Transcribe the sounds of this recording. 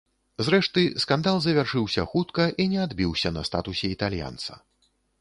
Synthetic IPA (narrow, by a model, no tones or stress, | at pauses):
zɾɛʂt̪ɨskand̪alˠzɐvʲarʂɨwsʲɐxut̪kɐʔinʲɛad̪bʲiwsʲɐnɐst̪a̰t̪usʲɛit̪alʲja̰nt̪sɐ̰